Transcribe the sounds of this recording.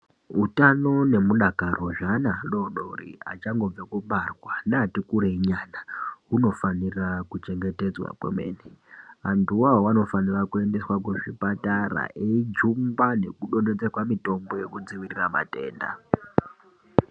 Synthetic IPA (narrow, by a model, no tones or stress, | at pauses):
utano̞ne̞muɗakaro̞ʐanaɗo̞ɗorḭa̰t͡ʃaŋɡo̞b͡vekuɓarwanaatikuɾeɲaːnaɦuno̞fanirakut͡ʃe̞ŋɡe̞te̞d͡zwa̰kwḛmḛːniantuwawano̞fanirakue̞nde̞swakweʐipatara̰ʔeid͡ʒumbane̞kuɗo̞nded͡zekwamito̞mbo̞je̞kud͡ziʋirirama̰te̞̰ːnda̰